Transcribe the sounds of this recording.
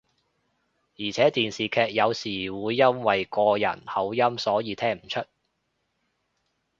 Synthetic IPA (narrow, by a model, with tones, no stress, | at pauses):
jiː˨˩t͡sʰɛː˨˥t̪iː˨nsiː˨kʰɛː˧k̚jɐ˨˧wsiː˨˩wuː˨˧jːɐ˥nwɐ˨jkɔː˧jɐ̰˨˩nhɐ˨˥wjɐ˥msɔː˨˥jiː˨˧t̪ʰɛː˥ŋm̩˨˩t͡ʃʰɵ˥t̚